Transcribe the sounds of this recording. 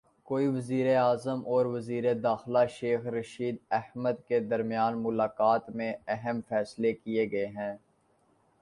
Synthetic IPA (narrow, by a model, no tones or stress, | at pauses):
koːiʋɐziːɾeaːzəmʔɔːɾʋɐziːɾed̪aːxlaʃeːxɾɐʃiːd̪ɛhməd̪ked̪ɐɾmjaːnmʊlaːkaːt̪mẽɛɦəmfɛːslekieɡɐeɦɛ̃ː